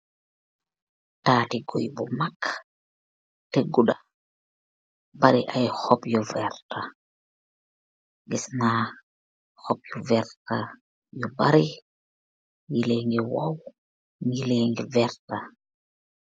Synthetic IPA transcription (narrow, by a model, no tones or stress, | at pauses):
taːtiɡojbɔmak | teɡuɗa | baɾiʔajhɔpjɔvɛɾta | ɡɛsnaː | hɔpjɔvɛɾta | jɔbaɾi | ŋilɛŋɡɛwaw | ŋileŋɡɛvɛɾta